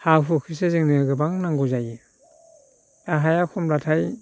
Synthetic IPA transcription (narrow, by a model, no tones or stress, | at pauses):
haɦukʰɯs̬ezɯŋnɯɡɯbaŋnaŋɡuzaj | aɦajakʰɔmɾatʰaj